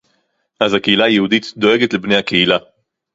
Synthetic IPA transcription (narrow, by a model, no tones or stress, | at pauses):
ʔazhake̞ilaːjehudit̪d̪o̞e̞ɡetlebnejhakeila